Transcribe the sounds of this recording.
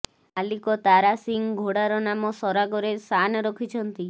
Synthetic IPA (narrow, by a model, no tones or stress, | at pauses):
alikɔt̪aɾasiŋɡʱoɽaɾɔnamɔsɔɾaɡɔɾesanɔɾɔkʰit͡ʃʰɔnt̪i